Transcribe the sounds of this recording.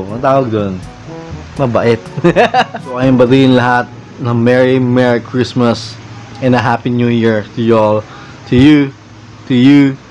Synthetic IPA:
mɐt̪aːwɐɡ̚d̪on | mɐbɐʔɪt̪̚ | soʔɐjɪmbɐd̪iʔɪnlɐɦat̪̚ | nɐmɛɹimɛɹikʰɹismɐs | ɪ̃nɐɦapinjujiɹt̪ʊjol | t̪ʰʊju | t̪ʊju

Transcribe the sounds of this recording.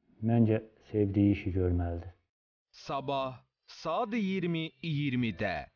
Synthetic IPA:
mænd͡ʒɛsevd̪ijiʃiɟøɾmæld̪ɪ | sɐbaɦ | sad̪jiɾmijiɾmit̪ɛ̰ː

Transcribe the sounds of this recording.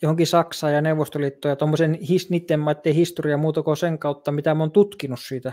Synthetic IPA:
johoŋkisɑksɑːjɑneuʋost̪oliːt̪ːoːjɑt̪omːosenhisniːt̪ːemmɑˑet̪ːeihist̪oriɑmuːt̪ɑkoseŋkɑˑut̪ːɑmit̪æmoːnt̪ut̪kinussiːt̪æ

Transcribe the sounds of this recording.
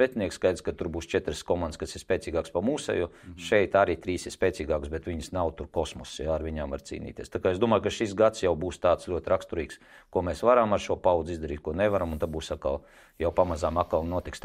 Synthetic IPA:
ɾɛt̪ʲniɛkskajd̪skat̪uɾbuːst͡ʃɛt̪ɾəskɔmanskasɪɾspʲɛːt̪iːɡaːkspamuːsa̰juʃɛjt̪aɾiːt̪ɾiːsɪspʲɛːt̪siːɡaːksbɛt̪ʋʲiɲəsnawt̪uɾkɔsmɔsjaːɾʋiɲaːmva̰ɾt̪sḭːnḭːt̪ʲḭɛst̪akaːezd̪uɔmaːjkaʃisɡat̪sjawbuːst̪aːt̪slʲuɔt̪ʲɾakst̪uɾiːkskuɔmeːsʋaɾamaɾʃuɔpawd̪zizd̪ɐɾiːt̪̚kuɔnɛʋaɾamunt̪abuːsatkalˠ | jawpamazaːmakalˠnuɔt̪ikst̪

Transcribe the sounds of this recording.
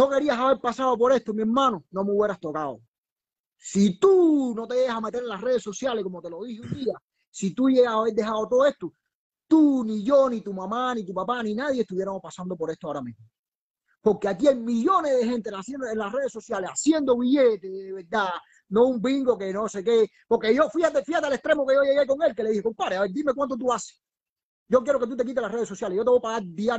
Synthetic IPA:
noke̞ɾiasaβe̞ɾpasaðopo̞ɾe̞st̪omĩeɾmãnonõ̞meuβje̞ɾast̪o̞kaðo | sit̪uno̞t̪e̞jeɣasamet̪e̞ɾelare̞ð̞e̞so̞sjaleko̞mot̪e̞lo̞ðiheund̪ia | sit̪uʝeɣasaβe̞ɾd̪e̞haðot̪oðoe̞ht̪o | t̪uniʝo̞nit̪umãmãnĩt̪upapanĩnaðjeet̪uβje̞ɾamopasand̪opo̞ɾe̞ht̪oaoɾamĩsmo | po̞ɾkeakiajmiʎo̞nezðe̞ɦent̪easjenoenlare̞ðe̞so̞sjale̞sasje̞nd̪o̞βiʝet̪eðeðeβeɾd̪a | nõumbiŋɡo̞ke̞nosekepo̞ɾke̞ʝo̞fihat̪efihat̪ealest̪ɾe̞mokejojeɣeko̞ŋe̞lke̞leðiheko̞mpaɾeaβeɾd̪ime̞k̬want̪̬ot̪̬uase̥ | ɟ͡ʝo̞k̬jeɾo̞ke̞t̪ut̪e̞k̬it̪elahreðeso̞sjaleijo̞t̪eβopaɣaɾd̪ia

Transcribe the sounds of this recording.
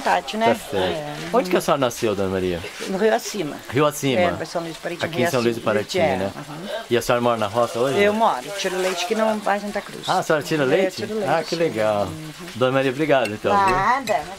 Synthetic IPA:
t̪at͡ʃkʊnɛɛfeõd͡ʒɪkɐsẽɔɾɐnasewd̪õnɐmaɾiɐnʊɦiwasĩmɐ̰hiwasĩmmɛɐpɐsɐ̃w̃liz̥paɾet͡ʃãkĩsɐ̃luizɪpaɾet͡ʃĩɲnɛ | ɪɐsẽɔɾɐmɔɾɐnɐɦɔsɐoʒewmɔɾʊt͡ʃiɾʊlejt͡ʃɪ̥kɪnɐ̃w̃vajsɐ̃nt̪akɾṵsaɐsẽɔɾɐt͡ʃiɾɐlejt͡ʃɪiɾlakɪleɡaw | d̪õnɐmaɾiɐbɾiɡad̪ʊẽt̪ɐ̃w̃ad̪ɐ

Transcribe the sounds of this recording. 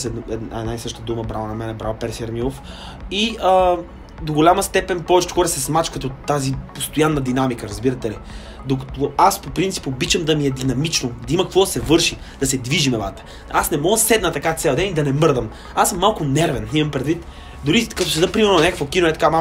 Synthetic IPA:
sɛɛnɛ̰aisɤʃt̪əd̪uməbɾavnɐmɛnɛbɾavpɛɾsiɐɾmilˠof | iə | d̪oɡolʲamɐst̪ɛpɛnpɔvɛt͡ʃɛ̥t̪xɔɾɛsɛsmat͡ʃkət̪ot̪ːazipost̪ojanːɐd̪inamikəɾɐzbiɾɐt̪ɛli | d̪okɐ̥t̪oaspopɾint̪i̥pobit͡ʃəmd̪ɐmiɛd̪inɐmit͡ʃnod̪ɐimɐkɐkvɔd̪ɐsɛvɤɾʃi | d̪̥ɐsɛd̪viʒimɛva̰t̪ə̥ | asnɛmɔɡəsɛd̪nət̪ɐkat̪sɛlˠd̪ɛnid̪ɐnɛmɤɾd̪əm | asəmːalˠkʊnɛɾvɛnimɐmpɾɛd̪vit̪ | d̪ʊɾikɐt̪osɛd̪pɾimɛɾnonakəkvokinoɛt̪ɐkama

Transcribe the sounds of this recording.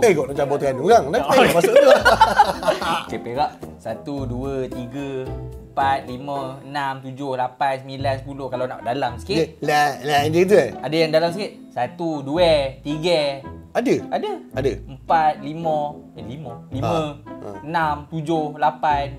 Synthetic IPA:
əɡɔʔat͡ʃambat̪kanuɾaŋlaamassʊʔt̪u | kepeɡaʔsat̪uduət̪iɡəəmpat̪̚liməənamt̪ud͡ʒohlapansəmilansəpulohkalawna̰ʔ̚dalamsə̥kilalaɛd͡ʒed̪əadajaŋdalams̬əkit̪̚sat̪uduɛt̪iɡəadəadəadəəmpat̪̚limə̃liməlimə̰̃ənamt̪ud͡ʒohlapan

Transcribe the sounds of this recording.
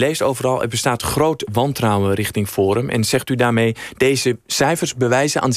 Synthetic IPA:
lejstowvərɑlˠɛ̰bəstaːtχroːtʋɑntrawərɪxtɪŋfoːɾəmʔɛ̰nz̥ɛxtydaːrmejd̥eːzəsɛjfərzbəʋɛjzəʔa̰ːn

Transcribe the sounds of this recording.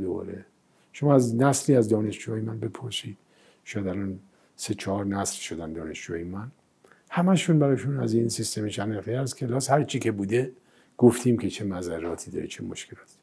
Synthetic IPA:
d̪obɒ̰ːɾe | ʃomɒːæznæsliːæzd̪ɒːne̞ʃd͡ʒuːɒːjemænbe̞pʰoɾsiːd̪̥ | ʃɔjæd̪ælɒːn | set͡ʃʰɒhɒɾnæslʃod̪ænd̪ɒ̰ːne̞ʃd͡ʒuɒjemæn | hæmæʃuːnbæɾɒːjʃunæzinsist̪emet͡ʃʰæneχt̪iæskʰelɒːshæɾt͡ʃʰiːkʰe̞buːd̪e | ɡ̥oft̪ʰiːmkʲʰe̞t͡ʃʰe̞mæzærːɒːt̪ʰiːd̪ɒ̰ɾḛt͡ʃʰemoʃkʰelɒːt̪ʰi̥

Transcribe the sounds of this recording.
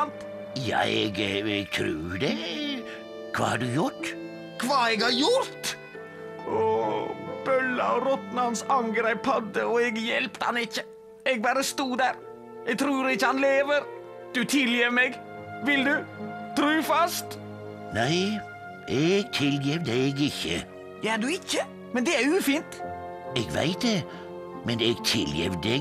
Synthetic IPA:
nt̪ | jɑ̰ːɛ̰ɡɛɡ̚t̪ʰɾʉ̰ːd̪ɛ | kʰʋɑ̰ːhɑɖʉjʊʈ | kʰʋɑːɛɡhɑɾjʊɾt̪ | ʔɔːb̥œlːə̰ɾɔt̪nɑɑnsɑŋɡɾɛɪphɑd̪əɔɛɡjɛlpt̪əhɑ̰nɪçːə | ɛɡ̚bɑːɾəst̪uːd̪æːɾ | ɛɡ̚t̪ʰɾuːɾɪçːəhɑnleːʋəɾ | d̪̥ʉt̪ʰɪljemɛɡ | ʋɪld̪ʉt̪ʰɾʉːfɑst̪ | næɪ | ʔeɡt̪ʰɪljɛʋd̪əeɡɪçːə̰ | jæd̪ʉɪçːə | mɛnd̪ɛæɾʉːfiːnt̪ | ɛɡʋæ̰ɪt̪̚d̪ɛ | mɛneːɡt̪ʰɪljɛ̰ʋd̪ɛɡ

